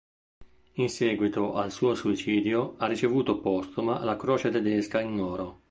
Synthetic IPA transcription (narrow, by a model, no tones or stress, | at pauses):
insɛːɡwit̪oʔalsuːosuit͡ʃiːd̪joarːit͡ʃevuːt̪opɔst̪omalakɾɔːt͡ʃet̪ɛd̪ɛskainːɔːɾo